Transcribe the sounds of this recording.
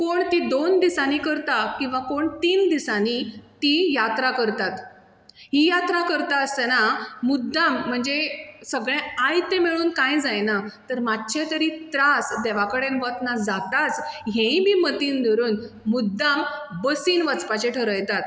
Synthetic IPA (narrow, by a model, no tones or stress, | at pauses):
koɳt̪id̪ond̪isanikəɾt̪akĩw̃ʋakoɳt̪iːnd̪isanit̪ijat̪ɾakəɾt̪at̪ | ɦijat̪ɾakəɾt̪aəst̪enamud̪ʱːam̤ːəɳd͡zesəɡɭɛ̃ajt̪emeɭuːnkãjd͡zajnat̪əɾmad̪̚t͡ɕʰet̪əɾit̪ɾasd̪ɛʋakəɽẽnʋət̪nad͡zat̪at͡sɦẽibʱiːmət̪iːnd̪ʱəɾuːn | mud̪ːambəsiːnʋət͡spat͡ɕeʈʰəɾəjt̪at̪